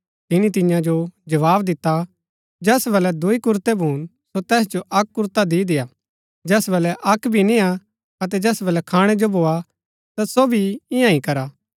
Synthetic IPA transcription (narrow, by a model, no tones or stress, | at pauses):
t̪ɪnit̪ɪjãd͡ʒod͡ʒɐʋaːbd̪ɪt̪ːa | d͡ʒɛːsbɐlɛd̪ʊikʊɾt̪ebʱuːn | sot̪ɛːs̬d͡ʒoʔɐkːʊɾt̪ad̪iːd̪ɪjaː | d͡ʒɛːsbɐlɛʔɐkbʱinĩa | ɐt̪̬ɛd͡ʒɛːsbɐlɛkʰaːɽ̃ɛd͡ʒobʱoːa | t̪asobʱiɪ̃jãĩkɐɾaː